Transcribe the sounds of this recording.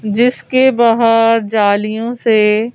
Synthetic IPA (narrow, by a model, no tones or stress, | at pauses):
d͡ʒɪskebaːɦəɾd͡ʒaːlijõse